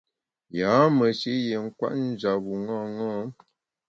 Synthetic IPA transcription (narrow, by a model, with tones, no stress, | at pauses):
jaː˨˦mə˨ʃe˦je˨ŋ̩˦kwa̰˦ʔn̩˦d͡ʒa˨ɣu˨ŋɔ˦˨ŋɔ˦